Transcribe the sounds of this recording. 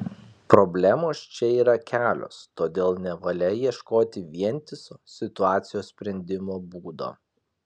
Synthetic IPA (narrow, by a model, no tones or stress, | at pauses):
pɾobʲlʲæmoːst͡ʃʲɛiːɾɐkʲæːlʲo̰ːst̪oːd̪ʲeːlˠnʲɛʋɐlʲɛjiɛʃkoːt̪ʲɪʋʲiɛnʲt̪ʲɪsoːsʲɪt̪ʊɑːt̪sʲɪjoːsʲsʲpʲɾʲɛnʲd̪ʲɪmoːbuːd̪o̰ː